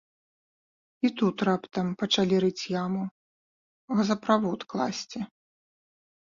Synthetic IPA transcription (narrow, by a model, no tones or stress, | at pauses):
it̪ut̪rapt̪ɐmpɐt͡ʂalʲiɾɨt͡sʲjamu | ɣɐzɐpɾavɔt̪klˠa̰sʲt͡sʲɛ